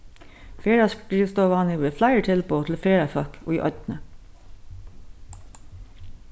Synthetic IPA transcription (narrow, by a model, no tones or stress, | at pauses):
feːɹɑsɹiːst̪oːʋɑːnɪʋeːflæɪəʈʰɪlpʰoːt̪ʰl̩feːɹɑfœko̰ːiːʔɔ̰t̪nə